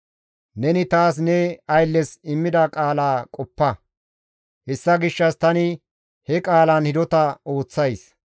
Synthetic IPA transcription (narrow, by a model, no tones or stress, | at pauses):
nɛnɪt̪aːs̬nɛɐjlːɛsɪmːɪd̪ɐkʼaːlaːkʼɔpːɐ | hɛsːɐɡɪʃːɐst̪ɐnɪ | hɛkʼaːlɐnhɪd̪ɔt̪ɐo̞ːt͡sːɐjs